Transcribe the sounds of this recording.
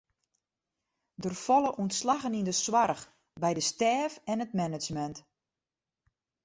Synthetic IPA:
dərfɔlˠəʔuntslaɣənindəswarx | bɛjdəstɛːfɛnət̚mɛnəd͡ʒmɛnt

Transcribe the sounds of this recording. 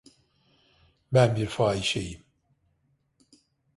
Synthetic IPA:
bænbiɾfaːiʃejim

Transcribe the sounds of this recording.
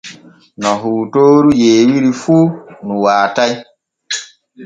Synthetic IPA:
nɔɦuːtoːɾujeːwiɾifunũwaːtaj

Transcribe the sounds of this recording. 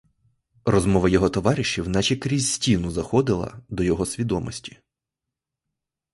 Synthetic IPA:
rɔzmɔʋɐjɔɦɔt̪ɔʋɑɾʲɪʃiwnɑt͡ʃʲikɾʲizʲsʲtʲinʊzɐxɔd̪ɪlˠɐ̰d̪ɔjɔɦɔsʲʋʲid̪ɔmɔsʲtʲi̥

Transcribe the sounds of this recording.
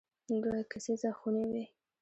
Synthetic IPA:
d̪wakasezaxunewe

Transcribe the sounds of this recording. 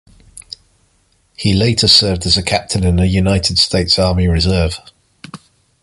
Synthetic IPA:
hileɪtʰəsɜːvdəzəkʰap̚tʰɪ̃nɪ̃nəjunaɪtʰɪd̥stʰeɪtsɑːmiɹɪzɜːv̥

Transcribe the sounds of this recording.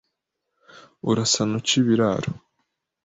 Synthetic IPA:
uɾasanut͡ʃiβiɾaɾo

